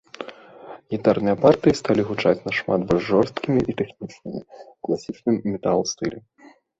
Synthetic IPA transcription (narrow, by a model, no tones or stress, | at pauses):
ɣʲit̪arnɨjɐpart̪ɨjist̪alʲiɣut͡ʂat͡sʲnɐʂmad̪bɔlʲʐʐɔrst̪kʲimʲiʔit̪ɛxnʲit͡ʂnɨmʲḭklˠasʲit͡ʂnɨmːʲɛt̪alˠst̪ɨlʲɛ